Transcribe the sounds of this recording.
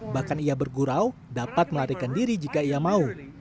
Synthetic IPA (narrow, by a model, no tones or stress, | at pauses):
bahkanijabərɡuɾawdapat̪̚məlaɾikandiɾid͡ʒikaijamau